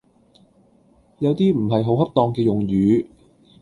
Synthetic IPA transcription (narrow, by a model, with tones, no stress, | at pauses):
jɐ˨˧wt̪iː˥m̩˨˩ɦɐ˨jɦo˨˥whɐ˥p̚t̪ɔː˧ŋkɛː˧jʊ˨ŋjyː˨˧˥